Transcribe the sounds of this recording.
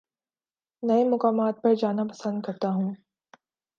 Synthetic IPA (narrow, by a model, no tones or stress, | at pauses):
nɐemʊkaːmaːt̪̚pɐɾd͡ʒaːnapɐsə̃nd̪̚kɐɾt̪aɦũː